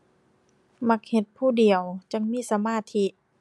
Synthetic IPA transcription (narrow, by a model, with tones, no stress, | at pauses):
ma˧k̚he˧t̪̚pʰuː˥˩di˨˩əwt͡ɕa˧˥ŋmiː˧˥˨sa˧maː˧˥˨t̪ʰi˧ʔ